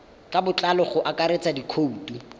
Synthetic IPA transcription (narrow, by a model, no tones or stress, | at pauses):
kʼabʊt͡ɬʼalɔχʊʔakaɾet͡sʼadikʰouːtʼu